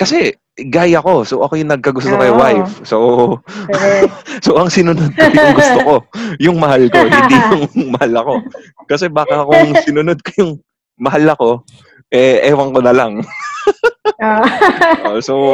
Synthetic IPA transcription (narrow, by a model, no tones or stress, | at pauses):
kɐsɛ | ɡajɐko̞soʔɐko̞jʊŋnɐɡ̚kɐɡʊs̬t̪okɐjwajfso | soʔɐŋsɪnʊnod̪̚ojjʊŋɡʊst̪oko̞jʊŋmɐhalko̞hɪnd̪ijʊŋmɐhalɐko̞ | kɐsɛbaːkɐkʊŋsɪnʊnod̪̚ko̥jʊŋ | mɐhalːɐko̞ | ʔɛʔɛːwɐŋkonɐlaŋ | so